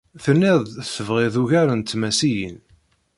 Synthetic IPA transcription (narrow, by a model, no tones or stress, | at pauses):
θənːɪðˤθəvʁɪðuʝæɾənt̪mæsijən